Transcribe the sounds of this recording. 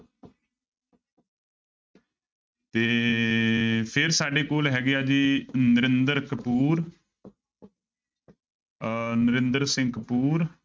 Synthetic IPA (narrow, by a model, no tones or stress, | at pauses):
t̪eː | pʰɪɾsaːɖeːkoːlɦɛːɡeaːd͡ʒiːnəɾɪnd̪əɾkəpuːɾ | nəɾɪnd̪əɾsɪ̃ŋkpuːɾ